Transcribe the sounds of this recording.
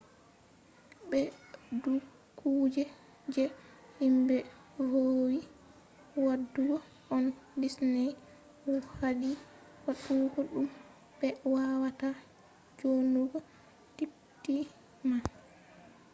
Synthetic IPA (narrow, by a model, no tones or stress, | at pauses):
ɓɛdu | kʰuːd͡ʒɛ | d͡ʒɛhimbɛ | howi | wadːuɡɔ | ɔndisnɛj | wɔhaɗi | waɗuɡɔɗum | bɛwawata | d͡ʒonuɡɔ | tip | ti | ma